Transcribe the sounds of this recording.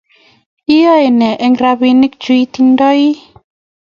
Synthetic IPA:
i˦jɔ˦e˨nɛ˨ʔɛ˦ŋɾa˧βi˧ni˦k̚t͡ʃi˦t̪i˦ndɔ˦i˦

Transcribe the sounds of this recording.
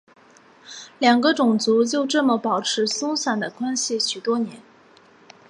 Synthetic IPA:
ljɑ˨˩ŋɡə˦ʈ͡ʂʊ˨˩ŋt͡su˧˥t͡ɕjo˥˧ʊʈ͡ʂɤ˥˩mə˨˩pɑ˨˩ʊʈ͡ʂʰɻ̩˧˥sʊ˥ŋsa˨˩nd̪ə˨kwa˥nɕi˨˩ɕy˨˩t̪wɔ˥njɛ˧˥n

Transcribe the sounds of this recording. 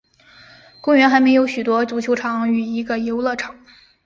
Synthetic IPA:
kʊ˥ŋɥɛ˧˥nxa˧˥ɪme˧˥ɪjo˧˥ʊɕy˨˩t̪wɔ˥t͡ɕu˨˥˩t͡ɕʰjo˧˥ʊʈ͡ʂʰɑ˨˥ŋy˨˩i˧˥ɡə˧jo˧˥ʊlɤ˥˩ʈ͡ʂʰɑ˨˩˦ŋ

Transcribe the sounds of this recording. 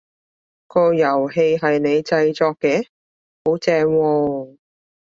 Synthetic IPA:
kɔː˧jɐ˨˩wɦe˧jɦɐ˨jne˨˧jt͡sɐ˧jt͡sɔː˧kːɛː˧˥ | ho˨˥wt͡sɛː˧ŋwɔː˧

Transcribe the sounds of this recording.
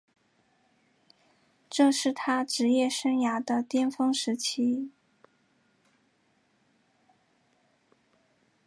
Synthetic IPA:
ʈ͡ʂɤ˥˧ʂɻ̩˥˩t̪ʰa˥ʈ͡ʂɻ̩˧˥jɛ˥˩ʂə˥nja˧˥d̪ə˧t̪jɛ˥nfɤ˥ŋʂɻ̩˧˥t͡ɕʰi˥

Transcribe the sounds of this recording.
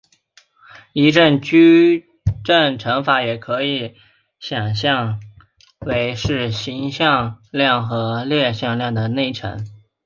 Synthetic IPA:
i˧˥ʈ͡ʂə˥˩nt͡ɕy˥ | ʈ͡ʂə˥˩ŋʈ͡ʂʰɤ˧˥ŋfa˧˥jɛ˨˩kʰɤ˧˥i˧˥ | ɕjɑ˨˩ŋɕjɑ˥˧ŋ | we˧˥ɪʂɻ̩˥˩ɕi˧˥ŋɕjɑ˥˧ŋljɑ˥˩ŋxɤ˧˥ljɛ˥˧ɕjɑ˥˧ŋljɑ˥˩ŋd̪ə˩ne˥˩ɪʈ͡ʂʰɤ̰˧˥ŋ

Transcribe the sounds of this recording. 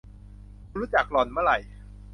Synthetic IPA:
ɾuː˦˥t͡ɕa˨˩k̚lɔ˨˩nma˦˥˩ɾa˨˩j

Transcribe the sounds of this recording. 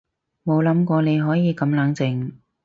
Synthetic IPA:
mo˨˧wlɐ˨˥mkʷɔː˧ne˨˧jɦɔː˨˥jiː˨˧kɐ˨˧˥mlɐː˨˥ŋt͡sɪ˧ŋ

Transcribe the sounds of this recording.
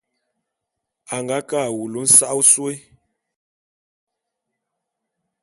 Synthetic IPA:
a˨ŋɡa˨˦kaː˦˨wu˨lo˨˦n̩˦sa˦ʔwswe˦

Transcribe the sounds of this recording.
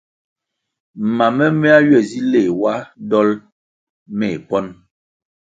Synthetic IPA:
m̩˨ma˨mɛ˦me˦a˦ɥɛ˨zi˦le˨wa˦dɔ˦l | me˨pɔ˦n

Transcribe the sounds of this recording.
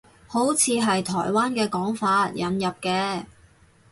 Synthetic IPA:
ho˨˥wt͡sʰiː˨˧ɦɐ˨jt̪ʰɔ̰ː˨˩jwaː˥nkɛː˧kɔː˨˥ŋfaː˧t̚jɐ˨njɐ˨p̚kɛː˧

